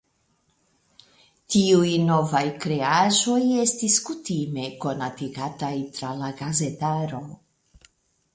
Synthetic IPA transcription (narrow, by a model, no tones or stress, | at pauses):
tiujno̞vajkɾe̞aʒo̞je̞stiskutime̞ko̞natiɡatajtɾalaɡaze̞taɾo̞